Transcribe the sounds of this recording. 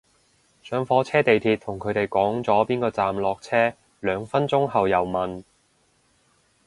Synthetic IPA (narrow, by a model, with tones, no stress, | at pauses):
sœː˨˧ŋfɔː˨˥t͡sʰɛː˥t̪e˨jt̪ʰiː˧t̪̚ʰʊ˨˩ŋkʰɵ˨˧ɥt̪e˨˩jkɔː˨˥ŋt͡sɔː˨˥piː˥nkɔː˧t͡saː˨mlɔː˨k̚t͡sʰɛː˥ | lœː˨˧ŋfɐ˥nt͡sʊ˥ŋɦɐ˨wjɐ˨˩wmɐ˨n